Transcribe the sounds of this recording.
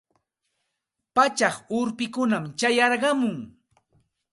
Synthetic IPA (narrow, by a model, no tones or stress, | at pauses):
pat͡ʃɑχʊɾpɪkʊnamt͡ʃajɑɾɢɑmʊŋ